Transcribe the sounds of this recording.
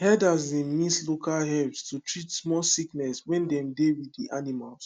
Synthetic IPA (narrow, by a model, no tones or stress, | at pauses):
hɛdazĩnmislokalɦɛbstutɹitsmɔlsiknɛswɛ̃ndɛ̃mdewidiʔanimals